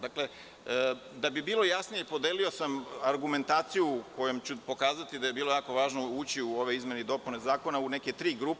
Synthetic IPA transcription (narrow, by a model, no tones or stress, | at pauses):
d̪akle | d̪abibiːlˠojasnijepo̞d̪eːlio̞samaɾɡume̞nt̪aːt̪sijuko̞jomt͡ɕupo̞kaːzat̪id̪ajebiːlˠojaːko̞ʋaːʒno̞uːt͡ɕiuo̞ʋe̞izme̞ned̪o̞punezaːko̞naune̞ke̞t̪ɾiːɡɾuːp